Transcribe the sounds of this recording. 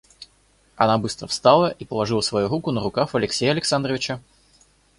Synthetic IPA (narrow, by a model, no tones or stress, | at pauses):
ɐ̰nabɨst̪ɾəfst̪alˠəʔipəlˠɐʐɨlˠəsvɐjuɾukʊnəɾʊkaxɐlʲɪksʲejəɐlʲɪksand̪ɾəvʲɪt͡ɕə